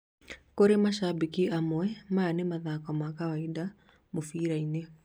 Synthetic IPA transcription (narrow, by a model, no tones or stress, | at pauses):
koɾemaʃabikiʔamwɛmaːnemaðakɔmakawaida | mofiɾaine